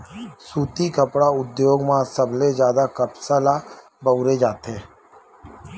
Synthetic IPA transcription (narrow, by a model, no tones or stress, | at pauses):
suːt̪ikəpɽaʊd̪joːɡmãːsəbled͡ʒjaːd̪akəpsaːla | bəwɾed͡ʒaːt̪eː